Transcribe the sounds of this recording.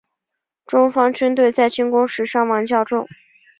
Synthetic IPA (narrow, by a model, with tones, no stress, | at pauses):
ʈ͡ʂʊ˥ŋfɑ˥ŋʈ͡ʂə˥nt̪we˥˧ɪt͡sa˥˩ɪt͡ɕi˥ŋkʊ˥ŋʂɻ̩˧˥ʂɑ˥˩ŋwɑ˧˥ŋt͡ɕjɑ˥˧ʊʈ͡ʂʊ˥˩ŋ